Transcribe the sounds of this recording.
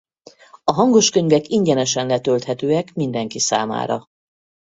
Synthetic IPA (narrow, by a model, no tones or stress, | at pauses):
ɒɦɒŋɡo̞ʃkø̞ɲvɛkiɲɟɛnɛʃɛnlɛt̪ølt̪hɛt̪øːɛkmind̪ɛŋkisa̰ːma̰ːɾɒ̰